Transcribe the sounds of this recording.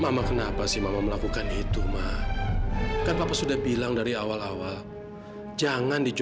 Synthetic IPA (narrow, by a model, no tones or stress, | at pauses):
mamakənapasɪhmamaməlakukanit̪umah | kanpapasudahbilaŋdaɾiawalawal | d͡ʒaŋandid͡ʒ